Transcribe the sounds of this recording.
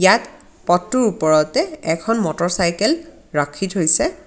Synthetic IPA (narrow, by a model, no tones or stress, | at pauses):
jat | pɔtːuɹupɔɹɔtɛɛkʰɔnmɔtɔɹsajkɛl | ɹakʰːitɦojsɛ